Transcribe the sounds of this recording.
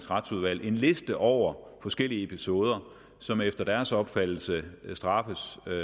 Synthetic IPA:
sʁɑd̥suð̞ˠʋæl̰ʔe̝nle̝sd̥əʔɒʊ̰ɐfɒ̽sɡ̥el̰iəe̝pʰiso̝ːð̞ˠɐ | sɒ̽mefd̥ɐd̥æɐsɒ̽b̥fæd̥l̩səsd̥ʁɑ̈fəs

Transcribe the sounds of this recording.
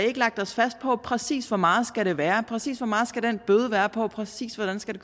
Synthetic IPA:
e̝ɡ̥əlɑ̈ɡ̥̚d̥ɒ̽sfæsd̥̚pʰɒ̽pʰʁɛsḭːsʋɒmɑ̈ːð̞̩ˠsɡ̥æɾ̥e̝ʋæːɐpʰʁɛsḭːsʋɒ̽mɑ̈ːð̩ˠsɡ̥æd̥enb̥øːð̞ˠəʋæːɐpʰɒ̽pʰʁɛsḭːsʋɒɾ̥ænsɡ̥æɾ̥e̝̥

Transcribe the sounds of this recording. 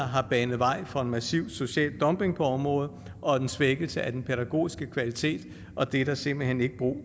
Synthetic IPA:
ɦɑ̈b̥ɛːnð̩ˠʋɑ̈ɪ̰fɒ̽e̝nmæsiʊ̰̥so̝ɕɛ̰ːld̥ɒ̽mb̥e̝ŋpʰɒ̽ɒ̽mʁɔ̽ːð̩ˠ | ʔɒ̽d̥ensʋeɡ̥l̩səæd̥enpʰeɾ̥æɡ̥o̝̰ːisɡ̥əkʰʋælit͡sʰe̝̰ːd̥ | ʔɒ̽d̥e̝ɾ̥ɑ̈se̝m̰b̥l̩hene̝ɡ̥əb̥ʁṵː

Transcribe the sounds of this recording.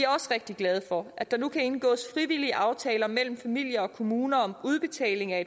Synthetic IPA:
iæɐɒ̽səʁeɡ̥̚d̥iɡ̥lɛð̞ˠfɒ̽ʔæd̥ɑ̈nukʰæe̝nɡ̥ɔ̰ːsfʁiʋiliəʔɑ̈ʊt͡sʰɛːlɐmel̰m̩fæmil̰jɐɒ̽kʰo̝muːnɐɒ̽muð̞ˠb̥e̝t͡sʰɛ̰ːle̝ŋæe̥

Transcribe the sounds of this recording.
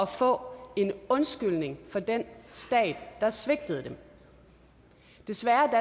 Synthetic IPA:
ɒ̽fɔ̰̽ːe̝nɔ̽nsɡ̥yl̰ne̝ŋfɒ̽d̥ensd̥ɛ̰ːd̥ːɑ̈sʋe̝ɡ̥̚d̥əð̞̩ˠd̥em | d̥e̝sʋæɐd̥æ

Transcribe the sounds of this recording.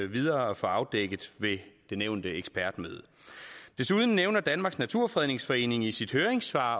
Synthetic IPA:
ʋið̞ˠɐːɒ̽fɒɑ̈ʊd̥eɡ̥əð̩ˠʋe̝d̥e̝neʊnd̥əeɡ̥sb̥æɐd̥mø̰ːð̞ˠəd̥e̝suð̞ˠn̩ːeʊnɐd̥ænmɑ̈ɡ̥snæt͡sʰuɐ̰fʁɛðˠne̝ŋsfɒ̽e̝̰ːne̝ŋisid̥høːɐeŋsʋɑ̰̈ː

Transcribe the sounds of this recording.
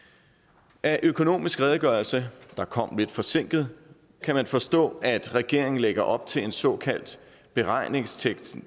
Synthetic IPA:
ʔæʔøkʰo̝no̝̰ːmisɡ̥ʁɛːð̞ˠɡ̥ɶɐlsəd̥ɑ̈kʰɒ̽m̰le̝d̥fɒ̽se̝ŋ̰ɡ̥ð̞̩ˠ | kʰæmænfɒ̽sd̥ɔ̰̽ːæd̥ʁɛɡ̥e̝ɐ̰eŋn̩leɡ̥ɐʔɒ̽b̥̚t͡sʰe̝le̝nsɒ̽kʰæl̰d̥ | b̥e̝ʁɑ̈ɪ̰ne̝ŋst͡sʰeɡ̥s

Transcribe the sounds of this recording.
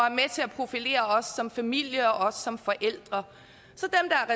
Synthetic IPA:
æɐmet͡sʰe̝æpʰʁo̝file̝̰ːɐɒ̽sːɒ̽mfæmil̰jəɒ̽ʔɒ̽sːɒ̽mfɒ̽ʔel̰d̥ʁɐ | sɒ̽d̥emd̥ɑ̈æɐʁɛ

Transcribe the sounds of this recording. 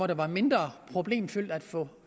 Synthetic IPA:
ɒɾ̥eʋɑ̈me̝nd̥ʁɐpʰʁo̝b̥le̝̰ːmfyl̰d̥æd̥fɔ̰̽

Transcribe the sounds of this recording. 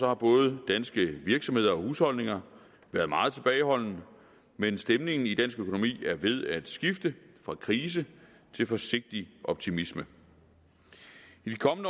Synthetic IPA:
sɒ̽hɑ̈b̥ɔ̽ːð̞̩ˠd̥ænsɡ̥əʋiɐɡ̥sɒmhe̝ð̞̰ˠɐɒ̽huːshɒ̽l̰ne̝ŋɐ | ʋæɐðˠmɑ̈ːð̞̩ˠt͡sʰe̝b̥ɛːɪɦɒ̽l̰n̩ | mensd̥emne̝ŋn̩id̥æn̰sɡ̥økʰo̝no̝mḭːæɐʋe̝ð̞ˠæd̥sɡ̥ifd̥əfʁɑ̈kʰʁiːs̬ə | t͡sʰe̝lfɒ̽se̝ɡ̥̚d̥iʔɒ̽b̥̚t͡sʰimismə | id̥ikʰɒ̽mnə

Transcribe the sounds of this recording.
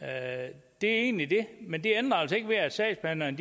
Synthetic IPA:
d̥e̝æe̝̰ːnlid̥e̝mend̥e̝end̥ʁɐælsɐe̝ɡ̥ʋe̝æd̥sɛ̰̥ːspʰænɐnd̥

